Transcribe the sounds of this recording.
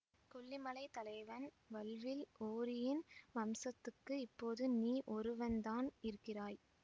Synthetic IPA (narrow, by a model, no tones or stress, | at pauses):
kɔɭːɪmɐlɐɪt̪ɐlɐɪʋɐn | ʋɐlʋɪloːɾɪjɪnmɐmsɐt̪ːɯkːɯɪpːoːðɯniːʔɔɾɯʋɐnd̪aːnɪɾɯkːɪraːj